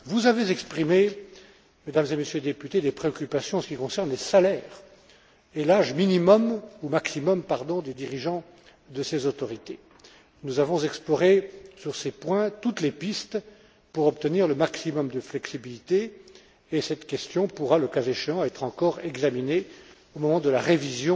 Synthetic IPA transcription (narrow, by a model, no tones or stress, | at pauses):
vuzavezɛkspχime | med̪amzemesjøled̪epyt̪ed̪epχeɔkʲypasjɔ̃ɑ̃sə̥kʲikɔ̃sɛʁnlesalɛːʁ | elaʒminimɔmumaksimɔmpaʁd̪ɔ̃d̪ed̪iʁiʒɑ̃ | d̪əsezot̪ɔʁit̪e | nuzavɔ̃zɛksplɔʁesyʁsepwɛ̃t̪ut̪lepist̪ | puʁɔp̚t̪əniʁləmaksimɔmd̪əflɛksibilit̪eː | sɛt̪kʲɛst̪jɔ̃puʁaləkazeʃeɑ̃ɛt̪χɑ̃kɔʁɛɡzamine | omɔmɑ̃d̪əlaʁevizjɔ̃